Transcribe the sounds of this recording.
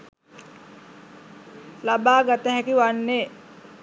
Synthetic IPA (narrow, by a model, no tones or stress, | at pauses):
labaːɡat̪əɦækiʋanːeː